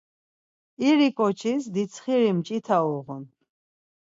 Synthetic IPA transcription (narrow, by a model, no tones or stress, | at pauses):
iɾikʼɔt͡ʃʰisd̪isʰχiɾimt͡ʃʼit̪ʰaɔʁun